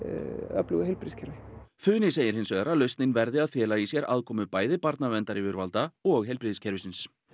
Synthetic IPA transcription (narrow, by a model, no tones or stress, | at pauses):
œ̰plʏɣɛlpɾɪðscʰɛɾvɪθʏːnɪseːjɪɾhɪnsœðaɾaðlœɥst̪nɪnvɛɾðɪaðfjɛːlaisjɛɾa̰ːðkʰɔːmʏpaːjðɪpaɾt̪navɛnt̪aɾɪvʏɾvalt̪aɔɣɦɛlpɾiðscʰɛɾvɪsɪns